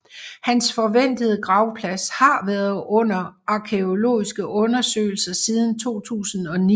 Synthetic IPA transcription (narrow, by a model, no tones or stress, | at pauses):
hænsfɒ̽ʋen̰d̥əð̞̩ˠəɡ̥ʁɑ̈ʊpʰlæshɑ̈ʋæɐð̩ˠɔ̽n̰ɐɑ̈kʰe̝o̝lo̝̰ːisɡ̥əʔɔ̽nɐsø̰ːɪl̩sɐsið̞ˠn̩t͡sʰo̝̰ːt͡sʰṵːsn̩ɒ̽ni